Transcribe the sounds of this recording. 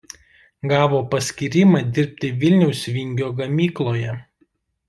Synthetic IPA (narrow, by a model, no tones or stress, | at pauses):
ɡɑːʋoːpɐsʲkʲiɾʲɪmɑd̪ʲɪɾʲpʲt̪ʲɪʋʲɪlʲnʲɛʊsʲʋʲɪŋʲɡʲoːɡɐmʲiːklˠoːjɛ